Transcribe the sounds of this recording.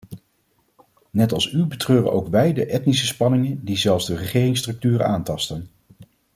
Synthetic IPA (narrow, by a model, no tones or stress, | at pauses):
nɛtɑlˠsybətrøːrə̰ʔowkʋɛjdəʔɛtnisəspɑnɪŋəndizɛlˠfzdərəχɪːrɪŋstrɵk̚tyːrə̰aːntɑstən